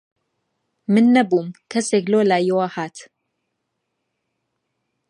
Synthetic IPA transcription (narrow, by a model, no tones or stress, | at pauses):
mɨnːɐbumkʰɐsekloːlaːjɛwahaːt̪